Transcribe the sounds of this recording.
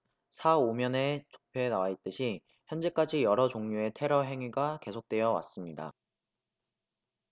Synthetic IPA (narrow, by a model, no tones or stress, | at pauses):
sʰaomjʌne̞t͡ɕo̥pʰjoenawait͈ɯɕʰi | çjʌnd͡ʑe̞k͈ad͡ʑijʌɾʌd͡ʑoŋɲue̞tʰe̞ɾʌɦe̞ŋɥiɡake̞sʰok̚t͈we̞jʌwa̰s͈ɯmɲida̰